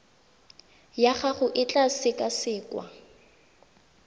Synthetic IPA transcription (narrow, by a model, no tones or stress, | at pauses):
jaχaχʊʔɪt͡ɬʼasɪkʼasɪːkwa̰